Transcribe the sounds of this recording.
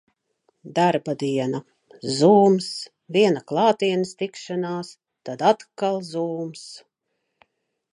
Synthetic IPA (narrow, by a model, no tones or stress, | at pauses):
d̪aɾbad̪iɛna | zuːms | viɛnaklˠɑːt̪iɛnist̪ikʃanaːs | t̪ad̪at̪kalˠzuːms